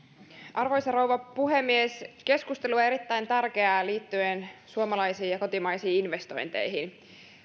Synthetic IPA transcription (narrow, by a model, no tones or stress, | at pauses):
ʔɑrʋo̞jsɑrowʋɑpuɦe̞mːieske̞skust̪e̞lue̞ɾit̪ːæjnt̪ærk̟eɑːliːt̪ːyensuomɑlɑjsiːjɑko̞t̪imɑjsiːinʋe̞st̪o̞jnt̪ḛjɦin